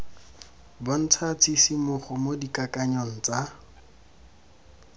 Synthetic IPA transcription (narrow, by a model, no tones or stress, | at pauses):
bon̩t͡sʰat͡sʰisimʊχɔmodikakaɲɔŋ̩t͡sa